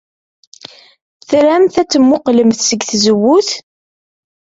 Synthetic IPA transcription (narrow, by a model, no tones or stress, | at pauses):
θɾæmθæt͡sːəmːʊqləmθsəɡθzəwːuθ